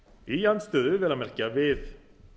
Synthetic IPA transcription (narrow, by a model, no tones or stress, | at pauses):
ijanst̪œːðʏvɛːlamɛr̥cavɪð